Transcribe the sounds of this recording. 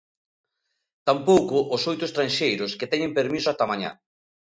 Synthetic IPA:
t̪ampowkʊʔːsojt̪ʊest̪ɾanʲʃejɾʊsket̪ɛɲɪ̃mpeɾmisʊat̪amaɲa̰

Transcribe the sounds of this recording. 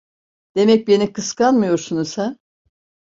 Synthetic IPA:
d̪̥e̞mɛc̚be̞nikʰɯskanmɯjo̞ɾsunusan

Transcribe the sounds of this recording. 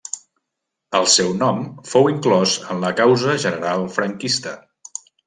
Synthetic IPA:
əlˠsɛwnɔmfowiŋklɔzənləkawzəʒənəɾalˠfɾəŋkist̪ə

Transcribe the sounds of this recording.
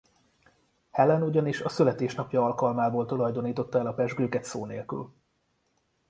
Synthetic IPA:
hɛlɛnuɟɒniʃɒsylɛt̪eːʃnɒpjɒɒlkɒlmaːboːlt̪olɒjd̪o̞niːt̪o̞t̪ːɒɛlɒpɛʒɡøːkɛt̪soːneːlky̰l

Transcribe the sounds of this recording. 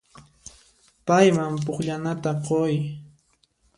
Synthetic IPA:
pajmamp̬ʊχʎanat̪aqoj

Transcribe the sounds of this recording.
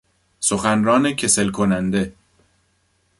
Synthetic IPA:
soxænɾɒːnecʰe̞selkʰonænd̪e̞

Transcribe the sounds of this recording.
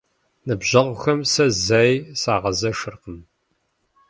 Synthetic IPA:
nɨbʑɐʁʷʊxɐmsɐzajsaːʁɐzɐʃɨrqəm

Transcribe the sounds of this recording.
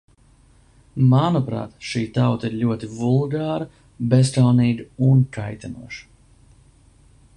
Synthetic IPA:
manupɾa̰ːt̪ʃiːt̪awt̪aiɾlʲuɔt̪ivulˠɡaːɾa | besk̪alniːɡunkʰajt̪anṵɔʃi̥

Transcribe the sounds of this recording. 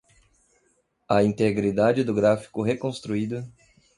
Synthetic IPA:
ɐĩnt̪eɡɾid̪ad͡ʒɪd̪ʊɡɾafi̥kʊɦekõst̪ɾuid̪ʊ

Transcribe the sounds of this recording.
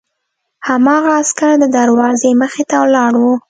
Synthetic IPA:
hamɑɣaːskaɽd̪əd̪aɾwɑzeməxet̪awlɑɽwu

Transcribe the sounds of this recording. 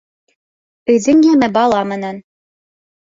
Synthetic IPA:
ɵ̆ðɘ̆ŋjæmɘbɑlˠɑmɘ̆næn

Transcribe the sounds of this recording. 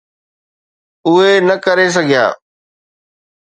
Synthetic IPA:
ʊɦenɐkɐɾes̬ɐɡʱija̰ː

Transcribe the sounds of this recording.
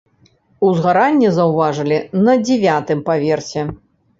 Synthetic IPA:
uzɣaɾanʲːɛzɐwvaʐɨlʲinɐd͡zʲɛvʲat̪ɨmpavʲɛrsʲɛ

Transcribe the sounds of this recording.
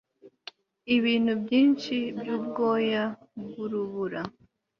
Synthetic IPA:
iβiːn̥hubjiːnt͡ʃibjuːb̚ɡo̞ːjaβuɾuβuɾa

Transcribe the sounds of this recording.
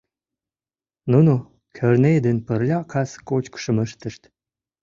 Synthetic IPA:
nuno | kʰərned̪ənpərlʲɑkʰɑskot͡ɕkə̥ʃə̆məʃt̪əʃt̪

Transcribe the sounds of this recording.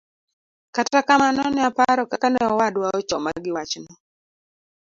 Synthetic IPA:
katakamanɔnɪapaɾɔkakanɛɔwadwaɔt͡ʃɔmaɡɪwat͡ʃnɔ

